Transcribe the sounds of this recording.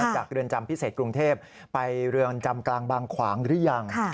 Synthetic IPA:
ŋt͡ɕaː˨˩k̚ɾɯ˧ənt͡ɕa˧mpʰi˦˥seː˨˩t̪̚kɾu˧ŋt̪ʰeː˥˩p̚ː | a˧jɾɯ˧ənt͡ɕa˧mklaː˧ŋbaː˧ŋkʰwaː˩˦ŋɾɯ˦˥əja˧ŋʰa˩

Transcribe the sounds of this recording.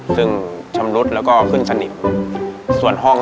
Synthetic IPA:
sɯ˥˩ŋt͡ɕʰa˧mnu˦˥t̪̚lɛː˦˥wkɔː˥˩kʰɯ˥˩˨nsa˧ni˨˩t̪̚ | su˨˩ənɦɔ˥˩ŋ

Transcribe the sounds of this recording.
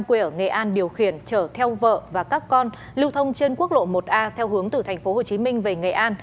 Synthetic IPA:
mkwi˧˩ʔəː˧˩ŋḛ˨˩ʔaː˧nɗi˨˩əwxi˧˩ənt͡ɕəː˧˩t̪ʰɛ˧wvə̰ː˧˨vaː˨˩kaː˦˥kːɔ˧n | li˧wt̪ʰə˧wŋ͡mt͡ɕe˧nku˦˥ək̚lo̰˧˨mo˨˩t̚ʔaː˧t̪ʰɛ˧wɦɨ˨˦əŋt̪ɨ˨˩t̪ʰɛ˨˩ŋ̟fo˨˦ho˨˩t͡ɕi˨˦mï˧ŋ̟ve˨˩ŋḛ˨˩ʔaː˧n

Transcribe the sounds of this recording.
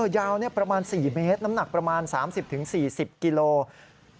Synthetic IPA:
jaː˧wni˥˩ɐpɾa˧maː˧nsiː˨˩meː˦˥t̪̚na˦˥mna˨˩k̚pɾa˧maː˧nsaː˩˦msi˨˩p̚t̪ʰɯ˩˦ŋsiː˨˩si˨˩p̚ki˧loː˧

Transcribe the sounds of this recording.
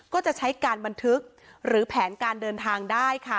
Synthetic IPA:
kɔː˥˩t͡ɕa˨˩t͡ɕʰa˦˥jkaː˧nba˧nt̪ʰɯ˦˥k̚ | ɾɯː˩˦pʰɛː˩˦nkaː˧ndɤː˧nt̪ʰaː˧ŋdaː˥˩jkʰa˥˩

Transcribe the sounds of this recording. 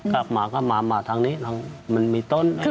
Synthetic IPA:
kla˨˩p̚maː˩˦kʰɔː˥˩maː˨˩˦maː˨˧˦t̪ʰa˧ŋniː˦˥t̪ʰa˧ŋma˧nmiː˧t̪o˥˨n˦

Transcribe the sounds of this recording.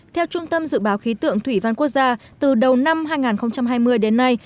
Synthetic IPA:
t̪ʰɛ˧wt͡ɕʊ˧ŋ͡mt̪ə˧mzɨ̰˧˨ɓaː˨˦wxi˨˦t̪ɨ̰˧˨əŋt̪ʰwi˧˩va˧nku˦˥ək̚zaː˧t̪ɨ˨˩ɗə˨˩wna˧mɦaː˧jŋaː˨˩nxə˧wŋ͡mt͡ɕa˧mɦaː˧jmɨ˧əjɗe˨˦nːa˧j

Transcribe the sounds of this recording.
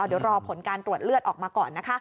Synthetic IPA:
d̪i˨˩˦wɾɔː˧pʰo˨˩˦nkaː˧nt̪ɾu˨˩ət̪̚lɯ˥ət̪̚ʔɔː˨˩k̚maː˧kɔː˨˩nːa˦˥kʰa˦˥ʔ

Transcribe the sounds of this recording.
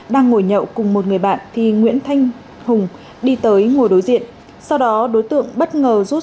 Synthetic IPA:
ɗaː˧ŋːo˧˩jɲə̰˧˨wkʊ˨˩ŋ͡mmo˨˩t̚ŋɨ˨˩əjɓa̰ː˧˨nt̪ʰi˨˩ŋwḭ˧˥ənt̪ʰa˧jŋ̟ | hʊ˨˩ŋ͡m | ɗi˧t̪əː˨˦jŋo˨˩jɗo˨˦jzḭ˧˨ən | sa˧wɗɔ˨˦ɗo˨˦jt̪ɨ̰˧˨əŋɓə˦˥t̚ŋəː˨˩zu˦˥t̚

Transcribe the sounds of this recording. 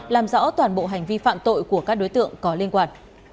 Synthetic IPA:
laː˨˩mzɔ̰˧˥wt̪waː˨˩nɓo̰˧˨ɦa˨˩jŋ̟vi˧fa̰ː˧˨mt̪o̰˧˨jku˧˩əkaː˦˥k̚ɗo˨˦jt̪ɨ̰˧˨əŋkɔ˨˦li˧ənkwaː˧n

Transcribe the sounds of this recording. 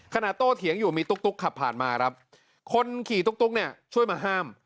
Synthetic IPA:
kʰa˧naː˨˩t̪ːoː˥˩t̪ʰi˩˦əŋjuː˨˩miː˧t̪u˦˥k̚t̪u˦˥kʰːa˨˩pʰːaː˨˩nmaː˧kʰɾa˦˥p̚ | kʰo˧nkʰiː˨˩t̪u˦˥k̚t̪u˦˥k̚ni˥˩ɐt͡ɕʰu˥˩əjmaː˧ɦaː˥˩m

